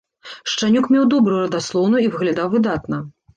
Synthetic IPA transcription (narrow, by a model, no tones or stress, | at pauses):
ʂt͡ʂanʲukmʲɛwd̪ɔbɾuɾɐd̪aslˠɔwnujivɨɣlʲad̪awvɨd̪at̪nɐ